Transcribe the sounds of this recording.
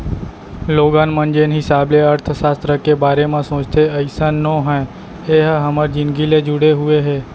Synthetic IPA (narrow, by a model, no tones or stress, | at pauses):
loɡãnmənd͡ʒenɦɪsableəɾt̪ʰsast̪ɾəkebaːɾemãsõt͡ʃt̪eəjsanːoɦə | eɦɦəməɾd͡ʒɪnɡiled͡ʒuɽeɦueɦe